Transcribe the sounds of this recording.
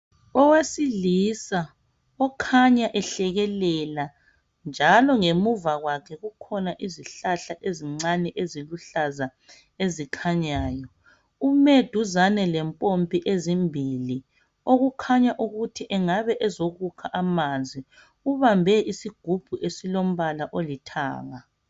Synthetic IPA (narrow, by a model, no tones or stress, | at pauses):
ɔwesilisa | ɔkʰaɲaʔɛɬɛɣɛlɛla | nd͡ʒʱalɔŋemuvaɣwakʰɛɣukʰɔnaʔiziɬaɬaʔeziŋ͡ǀanɛʔeziluɬaza | ezikʰaɲaːjɔ | umed̥ʱuzanɛlɛmpʼompʼiʔezimbʱili | oɣukʰaɲaʔuɣutʰiʔɛŋaβɛʔɛzoɣukʰaʔamand͡zʱi | uβambʱɛʔisiɡ̥ʱub̥ʱuʔesilom̩βalaʔolitʰa̰ːɣa